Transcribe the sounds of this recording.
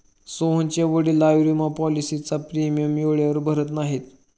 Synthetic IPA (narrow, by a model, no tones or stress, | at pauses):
soɦə̃nt͡ɕaʋəɽiːlajʋɾimapɔlisit͡sapɾemijəmjoɭjaʋəɾbʱəɾət̪naɦet̪